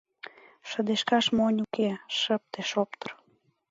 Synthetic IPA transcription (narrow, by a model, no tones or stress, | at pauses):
ʃə̆d̪eʃkɑʃmonʲukeʃə̆p̚t̪eʃopt̪ə̆r